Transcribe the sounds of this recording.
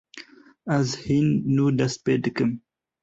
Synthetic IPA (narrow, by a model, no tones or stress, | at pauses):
azhinːuːd̪ɐsped̪ɨkəm